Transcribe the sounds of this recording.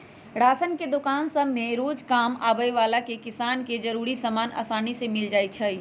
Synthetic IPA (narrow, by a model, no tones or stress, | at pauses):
ɽaːsənked̪ʊkaːnsəbmẽɾoːd͡ʒkaːma̰ːbəjʋaːlakekɪsaːnked͡ʒɐɾuːɾisamaːnʔa̰ːsaːnisemɪld͡ʒaːit͡ʃʰəi